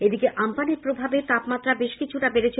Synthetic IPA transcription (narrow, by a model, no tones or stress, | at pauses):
ed̪ikeʔampaneɾpɾobʱabeɾt̪apmat̪ːɾabeʃkit͡ɕʰuʈabeɾet͡ɕʰe